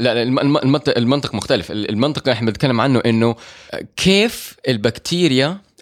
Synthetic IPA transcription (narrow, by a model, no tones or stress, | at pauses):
laʔllmɪʔlmɑnt̪ˤʔɪlmɪnt̪ˤɨqmʊxt̪alɪfɪlɪlmɪnt̪ˤɨ̥qɾɑħnbɪnɪt̪kalːɪmʕanːʊʔɪnːʊkʰeːfʔɪlbakt̪ʰiːɾɪja